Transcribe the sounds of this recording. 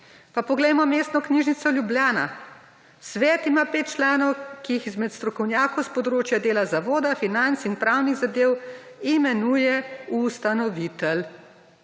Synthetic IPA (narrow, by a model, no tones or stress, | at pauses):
papɔɡlɛjmɔmeːst̪nɔkniʒnit̪sɔlʲjubljaːna̰ | sʋɛːt̪imaːpeːt̪̚t͡ʃlaːnɔwkijixizmɛt̪st̪ɾɔkɔwnjaːkɔwspɔd̪ɾoːt͡ʃjad̪eːlazaʋoːd̪afinant̪sinpɾaːwniɣzad̪eːw | imɛnujɛust̪anɔʋit̪əl